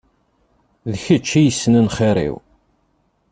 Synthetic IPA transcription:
ðçət͡ʃːijəsːnənχiɾḭw

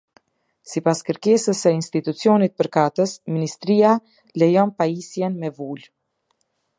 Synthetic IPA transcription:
sipaskəɾkɛsəsɛinst̪it̪ut͡sjɔnit̪̚pəɾkat̪əsminist̪ɾia | lɛjɔnpaisjɛnmɛvul

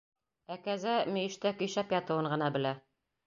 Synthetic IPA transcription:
ækæzæmɵ̆jɘ̆ʃt̪ækɵ̆jɕæpjɑt̪ɤ̆wɤɴɢɤ̆nɑbɘ̆læ

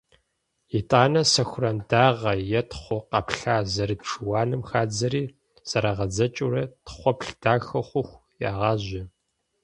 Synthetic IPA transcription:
jitʼaːnɐsɐxʷʊrɐndaːʁɐjɛtχʷɔqɑpɬaːzɐɾɨtʈ͡ʂʰɨwaːnɨmxaːd͡zɐɾiː | sɐɾaʁɐd͡zɐt͡ʃʼuɾɐtχʷɔpɬd̥aːxɐχʷʊxʷ | jaːʁɑːʑɪ

